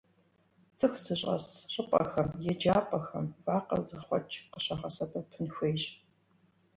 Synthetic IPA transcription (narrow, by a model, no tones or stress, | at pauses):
t͡sʰʼɨxʷsɨɕʼɐ̰sɕʼəpʼɐ̰xɐmjɛd͡ʒaːpʼɐxɐmvaːqɐ̰zɨχʷɔ̰t͡ʃʰʼqəɕɐχɐsɐbɐpʰɨnxʷeːɕʼ